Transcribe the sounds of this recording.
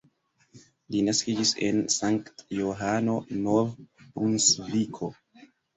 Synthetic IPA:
linaskid͡ʒise̞̰nsaŋktjoɦano̞novpunsvikʰo̞

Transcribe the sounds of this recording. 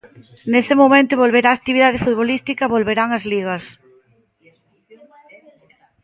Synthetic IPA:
nesɪmomẽnt̪oβolβeɾaːk̚t̪iβiðað̞ɪfut̪̚βolist̪ikɐβolβeɾaŋɐzliɣɐs

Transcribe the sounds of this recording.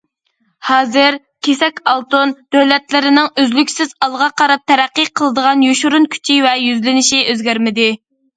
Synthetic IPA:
hɑːzɨɾ | kʲʰesɛkʲɑlˠt̪ond̪̥øwlɛt̪lɪɾɪnɪŋøzlykʲsɪzɑlˠʁɑqʰɑɾɑp̚t̪ʰːɛɾæqːiqʰəlˠəd̪əʁɑnjoʃuɾunkʲʰy̥t͡ʃʰivɛjyzlɪnɪʃiʔøzɡʲæɾmɪd̪ɪ

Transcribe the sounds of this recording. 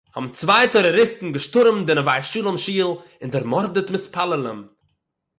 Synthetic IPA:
hɔbm̩t͡svaɪtɔɾɔɾɪstn̩ɡəʃtʊɾmdɪnəvaɪʃuːlˠəmʃiːlˠ | ɪndɪɾmɔɾdətmɪspʰalˠələm

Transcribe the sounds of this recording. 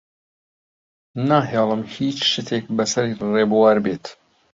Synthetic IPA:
naːɦeːlˠəmhiːt͡ʃʃɪt̪ʰeːk̚bɐsɐɾreːbuwaːɾbeːt̪

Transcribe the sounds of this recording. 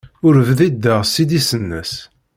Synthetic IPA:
ʊɾəvðid̪ːəʁsid̪isənːə̰s

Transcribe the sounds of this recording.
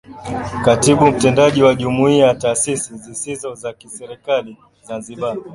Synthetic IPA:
katiɓum̩tɛndaʄiwaʄumuiataːsisizisizɔzakisɛɾɛkali | zanziɓa

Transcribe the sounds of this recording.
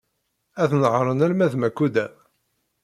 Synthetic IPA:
æθnəʁɾˤənælmæðmækːud̪æ

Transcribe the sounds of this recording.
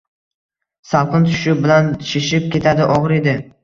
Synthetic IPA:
salˠqʰɨnt̪ʰʊ̥ʃʊbɪlanʃeʃɪp̚kʲʰe̞t̪ʰad̪ɪʔɒʁɾe̞d̪ɪ

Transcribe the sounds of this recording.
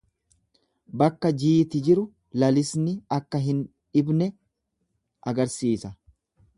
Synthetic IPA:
bɐkːɐd͡ʒiːt̪ɪd͡ʒɪɾʊ | lɐlɪsnɪɐkːɐɦɪn | ᶑɪbnɛ | ʔɐɡɐɾsiːsɐ

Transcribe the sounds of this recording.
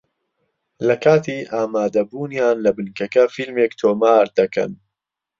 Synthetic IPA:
lɐkʰaːt̪ʰiːʔaːmaːd̪ɐbuːnjaːnlɐbɨnkɐkɐfilmeːkt̪ʰoːmaːɾd̪ɐkʰɐ̰n

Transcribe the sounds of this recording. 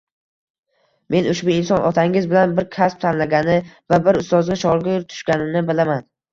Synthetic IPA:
mʔe̞nʊʃbʊɪnsɒnʔɒt̪ʰaŋɪzbɪlanbɪɾkʲʰasp̚t̪ʰanlaɡʲanɪvabɪɾʊst̪ɒzɡʲaʃɒɾɡʲɪɾt̪ʰʊ̥ʃkʲanɪnɪbɪlaman

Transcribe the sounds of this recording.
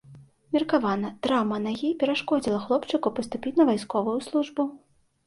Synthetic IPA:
mʲirkavanɐd̪̥ɾamɐnaɣʲipʲɛɾaʂkɔd͡zʲilˠɐxlˠɔpt͡ʂɨkupɐst̪upʲit͡sʲnɐvajskɔvujuslˠuʐbu

